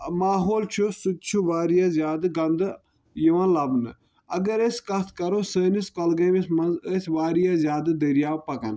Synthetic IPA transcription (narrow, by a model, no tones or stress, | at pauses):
maːɦoːlt͡ʃʰusut̪̚t͡ʃʰuʋaːɾijazjaːd̪ɨɡɐnd̪ɨ | jiʋɐnlɐbnɨ | ɐɡɐɾeskɐst̪ʰkɐɾosəːniskɐlɡɐmismɐnzəsʋaːɾijaːzjaːd̪ɨd̪ɐɾijaːwpɐkɐn